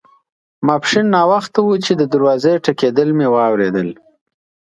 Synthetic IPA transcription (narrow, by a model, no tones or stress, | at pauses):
mɑpʂinːɑwaxt̪awut͡ʃed̪əd̪aɾwɑzeʈaked̪əlmewɑwɾed̪əl